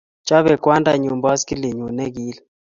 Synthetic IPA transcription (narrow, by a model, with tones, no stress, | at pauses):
t͡ʃa˦βɛ˨kwa˦nda˨ɲu˨mbɔ˦skɪ˦le˨ɲu˨nɛ˦ɡi˦l